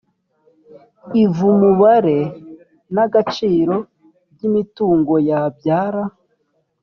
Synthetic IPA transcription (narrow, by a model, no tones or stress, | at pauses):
ivumuβaɾe̞ | naɡat͡ʃiːɾo̞ | bɟimituːŋɡo̞jabɟaːɾa